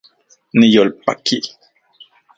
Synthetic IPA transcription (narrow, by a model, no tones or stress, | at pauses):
nijolpa̰ki